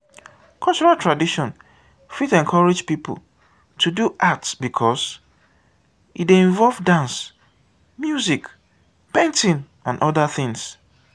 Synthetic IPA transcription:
kʰɔlˠt͡ʃɔɹaltʰɹadiʃɔ̃n | fitɛ̃nkʰɔɹed͡ʒpipo̰l | tʰuduʔatsbikʰɔs | ideĩɱvɔlvdãns | mjuzik | pẽntĩn | ãnʔɔdaθɪ̃ŋs

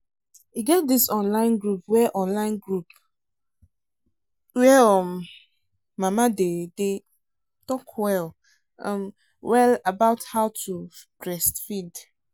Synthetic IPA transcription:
hiɡɛt̚disɔ̃nlãɪ̃nɡɹup̚wɛʔɔ̃nlãɪ̃nɡɹup | wɛɔmː | amadede | tɔkwɛl | ɔ̃m | wɛlabaʊthaʊtʰubɹɛstfid

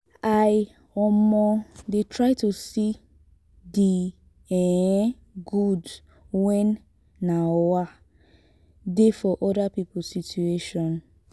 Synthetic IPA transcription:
aj | ɔmɔdetʰɹaɪtusi | di | ɛ | ɡud | wɛ̃nː | awa | defɔʔɔdapipʊsitueʃɔ̃n

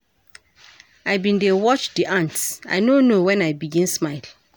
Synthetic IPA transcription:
ajbĩndewɔt͡ʃdiʔãntsa̰jnonowɛ̃najbiɡĩnsmaɪl

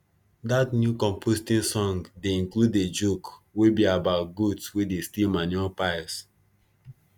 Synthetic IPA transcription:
datnjukɔ̃mpʰostĩnsɔ̃ŋdeĩŋkluded͡ʒukwebiabaʊt̚ɡudswedestilmanuɔlpaɪs

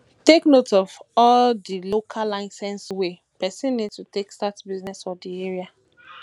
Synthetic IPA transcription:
teknotɔvɔldilokʰalaɪsɛ̃nswe | pɛsĩnːidtutekstatbiznɛsfɔdieɹia

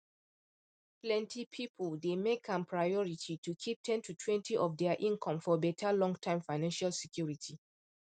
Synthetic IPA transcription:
plɛ̃ntʰipʰipʰəldemekʰãmpʰɹaɪɔɹitʰitʰukʰip̚tʰɛ̃ntutʰwɛ̃ntʰiʔɔfdɛaʔĩnkʰɔ̃mfɔbɛtʰalɔ̃ŋɡtʰãɪ̃mfaɪnãnʃalsɛkʰjuɹitʰi

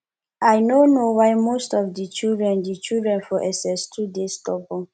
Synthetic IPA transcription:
ajnonowaɪmostɔfdit͡ʃildɹɛ̃ndit͡ʃildɹɛ̃nfɔʔɛsɛstʰudestɔpɔ̃

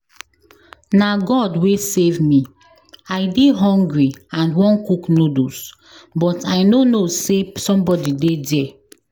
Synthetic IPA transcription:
naɡɔdwesevmi | ajdeɦɔ̃ŋɡɹiãnwɔ̃nkuknodos | bɔtajnonosesɔ̃mbɔdidedɛ

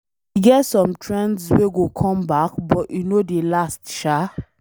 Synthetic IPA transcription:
iɡɛtsɔ̃mtʰɹɛ̃ndsweɡokʰɔ̃mbakbɔʔjunodelastʃa

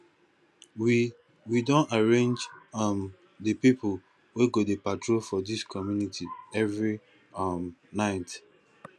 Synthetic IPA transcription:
wi | widõnaɹẽnd͡ʒam | dəpipʊ | weɡodepatɹofɔdiskʰɔmjunitʰiɛvɹi | amnaɪt

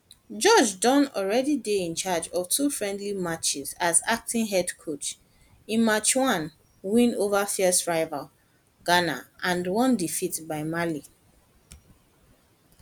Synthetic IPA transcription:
d͡ʒɔd͡ʒdɔ̃nɔ̰lɹɛdideĩnt͡ʃad͡ʒɔv̥tʰufɹɛ̃ndlimat͡ʃizazak̚tĩŋɦɛdkʰot͡ʃ | ĩnmat͡ʃwɔ̃n | wĩnovafisɹaɪval | ɡ̥ana̰ʔãndwɔ̃ndifitbaɪmali

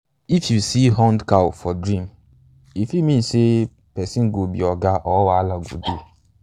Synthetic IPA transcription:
ifjusiɦɔ̃ndkawfɔdɾĩm | ifjumĩnse | pɛsĩnɡobḭɔɡaʔɔwaalaɡṵdu

